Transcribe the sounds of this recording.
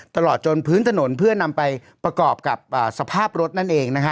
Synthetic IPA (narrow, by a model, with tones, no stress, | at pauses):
t̪a˧lɔː˨˩t̪̚t͡ɕo˧npʰɯː˦˥nt̪ʰa˧no˩˦npʰɯ˥˩ɐna˧mpa˧jpɾa˧kɔː˨˩p̚ka˨˩p̚ʔəː˨˩sa˧pʰaː˥˩p̚ɾo˦˥t̪̚na˥˩nʔeː˧ŋna˦˥kʰa˦˥